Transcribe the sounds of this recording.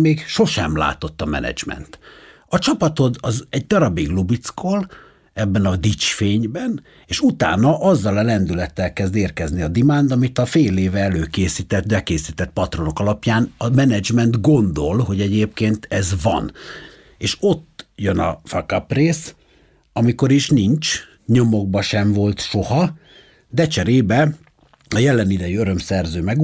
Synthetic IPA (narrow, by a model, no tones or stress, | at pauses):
meːkʃo̞ʃɛmla̰ːt̪o̞t̪ːɒmɛ̰nɛ̰d͡ʒmɛ̰nt̪ | ɒt͡ʃɒpɒt̪o̞d̪ɒzɛɟd̪ɒɾɒbiɡlubit̪skol | ɛbːɛnɒd̪it͡ʃfeːɲbɛn | eːʃut̪a̰ːnɒʔɒzːɒlɛlɛnd̪ylɛt̪ːɛlkɛzd̪eːrkɛzniɒd̪imaːnd̪ɒmit̪ɒfeːleːvɛɛløːkeːsiːt̪ɛt̪bɛkeːsiːt̪ɛt̪̚pɒt̪ro̞nokɒlɒpjaːnɒmɛnɛd͡ʒmɛnt̪ɡo̞nd̪o̞lho̞ɟɛɟeːp̚keːnt̪ɛzvɒ̰n | eːʃo̞t̪ːjønɒ̰fɒkɒpreːs | ɒmiko̞ɾiʃniɲt͡ʃ | ɲo̞mo̞ɡ̚bɒʃɛɱvo̞lt̪ʃo̞hɒ | d̪ɛt͡ʃɛɾeːbɛ | ɒjɛlːɛnid̪ɛjyøɾø̞msɛrzøːmɛɡ